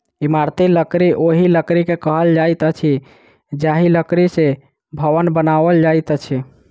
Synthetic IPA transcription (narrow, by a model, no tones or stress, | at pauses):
imaɾt̪iləkɾiʔoɦiləkɾikekəɦəld͡ʒajt̪ət͡ʃʰi | d͡ʒaɦiləkɾise | bʱəʋənbənaʋəld͡ʒajt̪ət͡ʃʰi